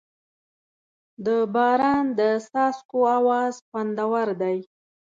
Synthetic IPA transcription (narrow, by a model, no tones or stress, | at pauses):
d̪əbɑɾɑnd̪əsɑskoawɑzpand̪awaɾd̪aj